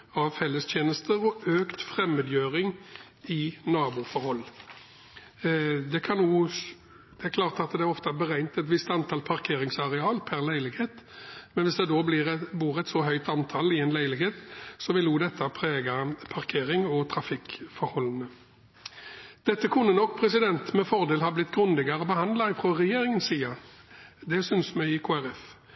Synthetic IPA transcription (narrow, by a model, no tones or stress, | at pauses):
ɑʋfɛlːəst̪ʰjeːnəst̪əɾɔʔøːkt̪fʁɛmːəd̪jøːʁɪŋ | ɪnɑːbufɔɾhɔlː | d̪ɛkʰɑnːuː | d̪̥ɛækʰlɑːʁt̪ɑt̪d̪ɛæɾɔft̪əæbəʁæɪnt̪ɛt̪ʋɪst̪ɑnt̪ʰɑːlpʰɑʁkʰeːɾɪŋsɑʁɛɑːlpʰæɾlæɪlɪɡheːt̪mɛnʋɪsd̪ɛd̪oːblɪʁɛbuːʁɛt̪sɔɦœʏt̪ɑnt̪ʰɑlɪɛnlæɪlɪkheːt̪sɔʋɪluːd̪ɛt̪ʰːəpʰɾeːɡɑpʰɑʁkʰeːɾɪŋɔt̪ʰɾɑfɪkfɔɾhɔlənə | d̪̥ɛt̪ːəkʰʉnːənɔkːpʰɾɛs̬ɪd̪ɛnt̪mɛfɔʁd̪eːlhɑːblɪt̪ːɡɾʉnd̪ɪɡɑɾɔbəhɑnd̪lɑɪfʁɔʁɛjeːɾɪŋənsiːɑ | d̪ɛsʏnsmɛɪkʰoːæɾɛf